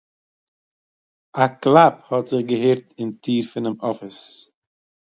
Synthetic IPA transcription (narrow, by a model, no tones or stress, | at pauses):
aklˠaphɔtz̥ɪχɡəɦeːɾtɪntʰiːɾfɪnɪmɔfəs